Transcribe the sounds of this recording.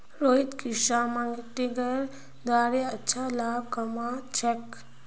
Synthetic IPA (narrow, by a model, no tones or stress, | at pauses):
ɾoːɦit̪kiʃamãŋɡiʈ̪iɡəɾ | d̪aːɾeɐtːʃʰalaːb̚kɐmat͡ʃʰɛk